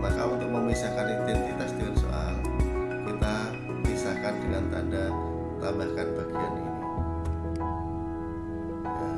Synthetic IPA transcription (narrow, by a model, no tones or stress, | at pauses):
makaunt̪ʊk̚məmisakanid̪ɛnt̪it̪asdianso̰ʔa̰l | kit̪a | bisakandəŋant̪anda | t̪abahkanbaɡianḭni | a